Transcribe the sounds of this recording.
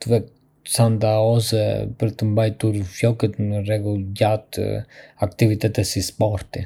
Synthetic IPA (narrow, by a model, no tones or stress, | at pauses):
t̪əvɛk̚ | sand̪aɔsɛ̰pəɾt̪əmbajt̪uɾfjɔkət̪nərɛɡuɟat̪akt̪ivit̪ɛt̪ɛsispɔɾt̪i